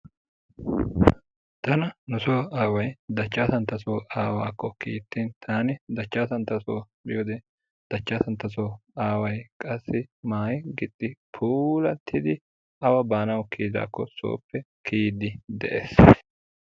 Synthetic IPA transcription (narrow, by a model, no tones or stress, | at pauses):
t̪ɐnɐnʊsoːaːwɐjd̪ɐt͡ʃːaːsɐnt̪ːɐsoːaːwaːkːɔkiːt̪ːiːnt̪ʰaːnɪd̪ɐt͡ʃːaːsɐnt̪ɐsoːbɪjoːd̪ɛ | d̪̥ɐt͡ʃːaːsɐnt̪ɐsoːaːwɐjkʼɐsːɪmaːjɪɡɪt̪ʼːɪpʰuːlɐt̪ʰːɪd̪ɪ | ʔɐwɐbaːnɐwkʰiːd̪a̰ːkːɔso̰ːpːɛkʰiːd̪ɪd̪ɛʔeːs